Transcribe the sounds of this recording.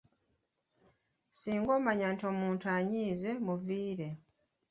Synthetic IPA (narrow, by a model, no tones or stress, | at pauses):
siːŋɡo̞ːmaɲantio̞ːmuːntuaɲiːze̞muviːɾe̞